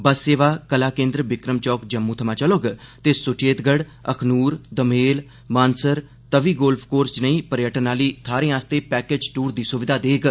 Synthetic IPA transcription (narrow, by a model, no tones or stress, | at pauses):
bəsːeːʋaːkəlaːkẽːnd̪ɾəʋɪkɾəmt͡ʃɔːkd͡ʒəmːuːt̪ʰəmaːt͡ʃəloɡt̪eːsʊt͡ʃeːt̪ɡəɽ | əkʰnuːɾd̪əmeːl | mãːnsəɾ | t̪əʋiːɡoːlpʰkoːɾst͡ʃnəĩːpəɾjəʈənaːliːt̪ʰaːɾẽːaːst̪eːpɛːkeːd͡ʒʈuːɾd̪iːsʊʋɪd̪ʱaːd̪eːɡ